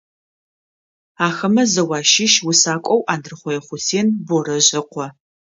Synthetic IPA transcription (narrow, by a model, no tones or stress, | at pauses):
aːxɐmɐzɐwɑːʃɪʃwʊsaːkʷʼɔwʔaːndɨrɨχʷɔjɛχʷʊsʰeːnborɐʑɪqʷʰɔ